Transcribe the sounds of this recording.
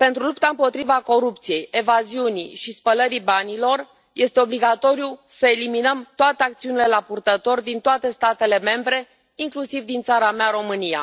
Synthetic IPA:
pe̞nt̪ɾulupt̪aɨmpo̞t̪ɾivako̞ɾup̚t̪sije̞je̞vaziuniʃispələɾibanilo̞r | jʔe̞st̪eo̞bliɡat̪o̞ɾijusəe̞liminəmt̪oat̪e̞ak̚t̪siunile̞lapurt̪ət̪o̞rd̪int̪oat̪e̞st̪at̪e̞le̞me̞mbɾe̞ | iŋklusivd̪int̪saɾameaɾo̞mɨnia̰

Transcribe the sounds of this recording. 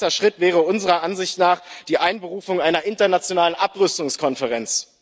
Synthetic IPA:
tɐʃʁ̥ɪtv̥ɛːʁ̞əʊnzəʁɐʔanzɪçtnaːχd̥iːʔaɪnbəʁuːfʊŋʔaɪnɐʔɪntɐnat͡sjonaːlənʔapʁʏstʊŋskʰɔnfəʁɛnt͡s

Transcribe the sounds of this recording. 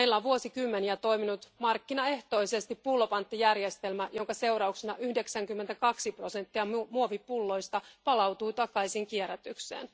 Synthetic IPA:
eilːæʋuo̞sikymːeniæt̪o̞iminut̪mɑrkːinɑe̞ht̪o̞ise̞st̪ipːulːopɑnt̪ːijærjest̪e̞lmæjoŋkɑse̞uɾɑuksenɑʔyhde̞ksæŋkymːent̪ækɑksipro̞se̞nt̪ːiɑmuoʋipulːo̞jst̪ɑpɑlɑwt̪uːt̪ɑkɑisiŋkieɾæt̪yksḛːn

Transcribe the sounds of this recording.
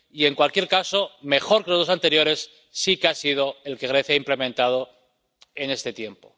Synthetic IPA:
ie̞ŋkwalkje̞ɾkaso̞me̞xo̞ɾkeloðosant̪e̞ɾjo̞ɾe̞sː | ikeasið̞o̞e̞lke̞ɣ̞ɾe̞θjaimple̞mẽnt̪að̞o̞ | e̞ne̞st̪e̞t̪je̞mpo̞̰

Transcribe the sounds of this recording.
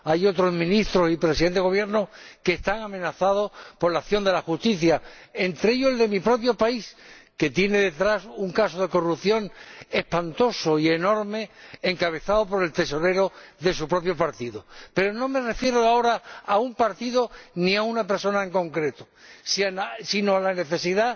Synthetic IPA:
ajo̞t̪ɾo̞zmĩnist̪ɾo̞sipɾesiðeɣoβje̞ɾnokeːst̪aŋamẽnaθað̞o̞spo̞ɾlaθjo̞nd̪e̞laxust̪iθjaent̪ɾeeʎoeld̪e̞mipɾo̞pjo̞paiske̞t̪je̞ne̞ðe̞t̪ɾasuŋkaso̞ð̞e̞ko̞rupθjo̞ŋe̞hpant̪o̞soie̞no̞ɾme̞eŋkaβ̞e̞θaðopo̞ɾe̞lt̪e̞so̞ɾe̞ɾoðe̞supɾo̞p̬jo̞paɾt̪iðope̞ɾonõ̞me̞re̞fje̞ɾoao̞ɾaaumpaɾt̪iðo̞nĩaunape̞ɾso̞naeŋko̞ŋkɾe̞t̪osiaasino̞alane̞θe̞siða

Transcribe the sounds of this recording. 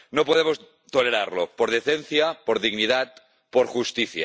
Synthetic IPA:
nopoðemos | t̪oleɾaɾlopoɾð̞eθenθjapoɾðiɣniðat̪̚ | poɾxust̪iθja̰

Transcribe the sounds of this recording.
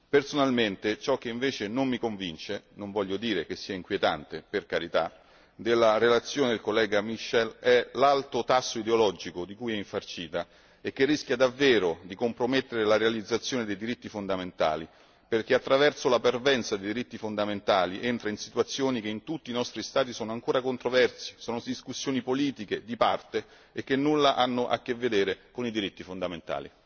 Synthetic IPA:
personalment̪et͡ʃɔkːeiɱveːt͡ʃenommikoɱvint͡ʃenoɱvɔʎːjːod̪iːɾek̟esːiːaiŋkwjet̪ant̪eperkaɾit̪a̰ | d̪elːaɾelat̪sːjoːned̪elkolːɛːɡamiʃːɛlɛlalt̪ot̪asːoid̪eolɔd͡ʒikod̪ikujɛiɱfart͡ʃiːt̪a | ek̟ːerːisk̟jad̪avːeːɾod̪ikompɾomet̪ːeɾelaɾealid̪zat̪sːjoːned̪ejd̪iɾit̪ːifond̪ament̪a̰ːli | perk̟eat̪ːɾavɛrsolapervɛnt̪sad̪ejd̪iɾit̪ːifond̪ament̪aːliʔent̪ɾainsit̪wat̪sːjoːnikeint̪ut̪ːiːnɔst̪ɾist̪aːt̪̬isɔːnoaŋkoːɾakont̪ɾovɛrsi̥sɔːnod̪iskusːjoːnipoliːt̪ik̟ed̪ipart̪e | ek̟ːenːulːaʔanːʊʔa̰kːevːed̪eːɾekonid̪iɾit̪ːifond̪ament̪a̰ːlḭ

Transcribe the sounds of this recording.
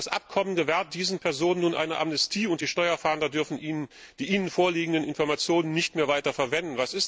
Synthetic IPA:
asʔa̰p̚kʰɔmənɡəvɛɐt̚d̥iːzn̩pʰɛɐzoːnənːuːnʔa̰ɪnəʔa̰mnɛstʰiːʊntd̥iːʃtɔʏɐfaːndɐdʏɐfn̩ː | d̥iːʔiːnənfoːɐliːɡŋ̩dənɪnfɔɐmat͡sjoːnənːɪçtmeːɐvaɪtɐfɛɐvɛndn̩vasɪs

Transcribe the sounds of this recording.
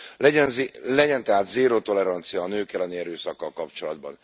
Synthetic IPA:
lɛɛnzlɛɟɛnt̪ɛɦaːt̪zeːɾoːt̪o̞lɛɾɒnt̪sijɒːnøːkɛlɛniɛɾøːsɒkːɒlkɒpt͡ʃo̞lɒd̪̚bɒ̰n

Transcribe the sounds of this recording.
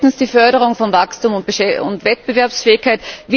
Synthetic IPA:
tn̩sd̥iːfœɐɾəʁ̞ʊŋfɔnvakstuːmʊntb̥əʃɛʊ̰ntvɛt̚b̥əvɛɐpsfeːɪçkʰaɪtvi

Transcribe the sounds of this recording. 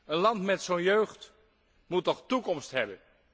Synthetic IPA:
ənlɑntmɛtsonjøɥχt | mutɔχtukɔmstɦɛbən

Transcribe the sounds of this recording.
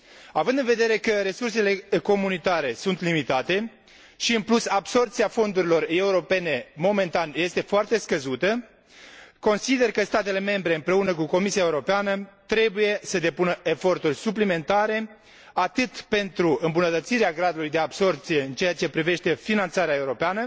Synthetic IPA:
avɨnd̪ɨnve̞d̪e̞ɾe̞kəɾe̞surse̞le̞ko̞munit̪aɾe̞sunt̪limit̪at̪e̞ | ʃiɨnplusabso̞rt̪siafo̞nd̪uɾilo̞re̞uɾo̞pe̞ne̞mo̞me̞nt̪anje̞st̪efoart̪e̞skəzut̪ə | ko̞nsid̪e̞rkəst̪at̪e̞le̞me̞mbɾe̞ɨmpɾe̞unəkuko̞misiaeuɾo̞peanət̪ɾe̞buje̞səd̪e̞punəʔe̞fo̞rt̪urʲsuplime̞nt̪aɾe̞ | at̪ɨt̪pe̞nt̪ɾuɨmbunət̪ət̪siɾeaɡɾad̪ulujd̪eabso̞rp̚t̪sije̞ɨnt͡ʃeat͡ʃe̞pɾive̞ʃt̪e̞finant̪saɾeae̞uɾo̞peanə

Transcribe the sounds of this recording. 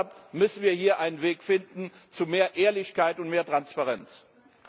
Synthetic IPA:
pmʏsn̩viːɐhiːɐʔaɪnənveːkfɪndn̩t͡sumeːɐʔeːɐlɪçkaɪtʊntmeːɐtʁ̥anspaʁɛnt͡s

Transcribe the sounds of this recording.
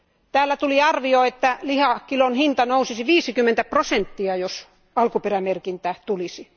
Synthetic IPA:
t̪æːlːæt̪uliɑrʋioet̪ːælihɑkilonhint̪ɑnousisiʋiːsikymːent̪æprosent̪ːiɑjos | ɑlkuperæmerkint̪æt̪ulisi

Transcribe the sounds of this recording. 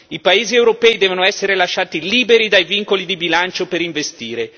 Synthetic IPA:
ipaeːziewɾopɛjd̪ɛːvonoɛsːeɾelaʃːaːt̪iliːbeɾid̪ajviŋkolid̪ibilant͡ʃopeɾiɱvest̪iːɾe

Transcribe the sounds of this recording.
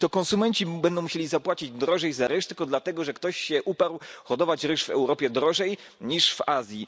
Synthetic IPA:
t̪ɔkɔnsumɛɲt͡ɕibɛnd̪ɔw̃muɕelʲizapwat͡ɕid͡ʑd̪ɾɔʐɛjzaɾɘʂt̪ɘlkɔd̪lat̪ɛɡɔʐɛkt̪ɔɕɕɛʔupaɾwxɔd̪ɔvat͡ɕɾɘʂvɛ̰wɾɔpʲjɛd̪ɾɔʐɛj | ɲiʂvazʲji

